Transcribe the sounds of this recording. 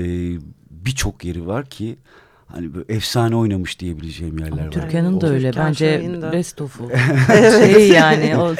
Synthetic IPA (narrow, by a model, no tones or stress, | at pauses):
ɛbit͡ʃʰo̞kjeɾivaɾcʰi | ha̰nibɛfsaːnio̞jnamɯʃd̪ije̞bilʲe̞d͡ʒɛjimjæɾllʲæɾʰyɾcʰjanind̪aø̞jlʲɛbænd͡ʒɛɾɛst̪ʰofu | eijaːnɪo